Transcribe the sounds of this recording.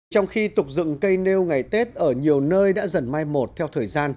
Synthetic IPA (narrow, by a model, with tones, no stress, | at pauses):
t͡ɕɔ˧wŋ͡mxi˧t̪ʊ˨˩k͡p̚zɨ̰˧˨ŋkə˧jne˧wŋa˨˩jt̪e˦˥t̚ʔəː˧˩ɲi˨˩əwnəː˧jɗa̰ː˧˥zə˨˩nmaː˧jmo˨˩t̚t̪ʰɛ˧wt̪ʰəː˨˩jzaː˧n